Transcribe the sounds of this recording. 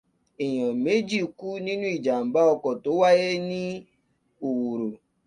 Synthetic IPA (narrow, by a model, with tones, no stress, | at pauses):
e˨jɔ˨me˦d͡ʒi˦˨ku˦ni˦nu˦i˨d͡ʒa˨m̩˨ba˦ɔ˧kɔ˨tʊ˦wa˦je˦ni˦ | o˨wu˨ɾu˨